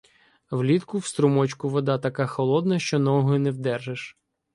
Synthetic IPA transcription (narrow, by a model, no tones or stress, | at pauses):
wlʲit̪kʊwst̪ɾʊmɔt͡ʃkʊʋɔd̪ɑt̪ɐkɑxɔlˠɔd̪nɐʃt͡ʃɔnɔɦɔnɛwd̪ɛrʒeʃ